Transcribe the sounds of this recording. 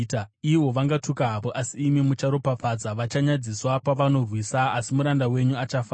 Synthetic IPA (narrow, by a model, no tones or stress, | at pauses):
taiwo̞ʋaŋɡatukaɦapoʔasiːmimut͡ʃaɾo̞pap͡fad͡zaʋat͡ʃaɲad͡ziswapaʋano̞rwisaːsimuɾandawe̞ɲuat͡ʃafa